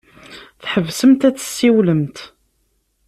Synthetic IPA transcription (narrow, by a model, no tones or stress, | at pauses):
θħəvsəmt̪æt͡sːə̥sːiwləmt̪